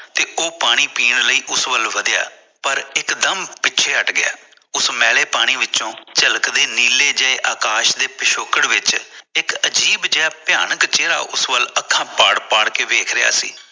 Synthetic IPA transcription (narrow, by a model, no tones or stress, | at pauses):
t̪eːʔoːpaːɽ̃iːpiːɳləiːʔʊsʋəlʋəd̪ja̰ː | pəɾɪkd̪əmpɪtːt͡ʃʰeːəʈɡɪja̰ː | ʊsmɛːleːpaːɽ̃iːʋɪt͡ʃõːt͡ʃəlkd̪eːniːleːd͡ʒaːeʔaːkaːʃd̪eːpɪʃoːkəɽʋɪt͡ʃɪkəd͡ʒiːbd͡ʒeːaːpɪjaːnəkt͡ʃeːɾa̰ːʔʊsʋələkʰːãːpaːɽpaːɽkeːʋeːkʰɾɪja̰ːsḭː